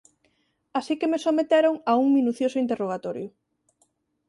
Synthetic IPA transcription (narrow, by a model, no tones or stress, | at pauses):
asikemesomet̪eɾoŋauŋmĩnuθjosʊint̪eroɣ̞at̪ɔɾjʊ